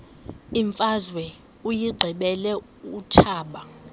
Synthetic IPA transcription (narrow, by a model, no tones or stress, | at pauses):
iɱfʼazwɛ | ujiɡ͡ǃʱiɓɛlɛ | utʰaːɓa